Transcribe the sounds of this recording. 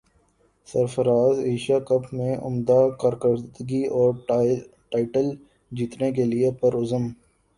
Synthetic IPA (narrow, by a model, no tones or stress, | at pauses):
sɐɾfəɾaːzeːʃakɐpmẽʔʊ̰md̪akɐɾkəɾd̪əɡiɔːɾ | ʈaːɪʈəl | d͡ʒiːt̪nek̬eliepɐɾʊzəm